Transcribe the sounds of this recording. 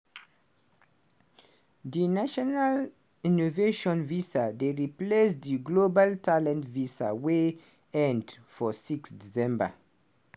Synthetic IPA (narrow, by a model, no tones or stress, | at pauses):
dinaʃɔnal | inoveʃɔ̃nvisadeɹiplesdiɡlobaltʰalɛ̃ntvisa̰we | ɛ̃nd | fɔsiksdisɛ̃mba̰